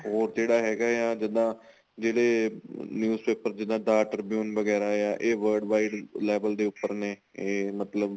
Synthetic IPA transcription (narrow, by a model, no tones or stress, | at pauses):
ɦoːɾd͡ʒeːɽaːɦɛːɡaːjaːd͡ʒɪd̪ãː | d͡ʒeːɽeːnjuːzpeːpəɾd͡ʒɪd̪ãːɖaːʈəɾbjuːnʋəɡɛːɾaːjaːʔeːʋəːɾɖʋaːiːɖlɛːbəld̪eːʊpːəɾneːeːmət̪ləb